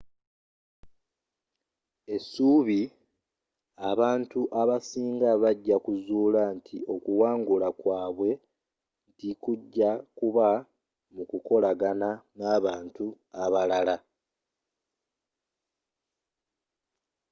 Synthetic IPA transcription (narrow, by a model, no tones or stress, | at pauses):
e̞suːβi | aβaːntuʔaβasiːŋɡaβaɟːakuzuːlantʰiʔo̞kuwaːŋɡulakwaːβwe̞ | ntikuɟːakuβa | mukuko̞laɡananaːβaːntu | aβalala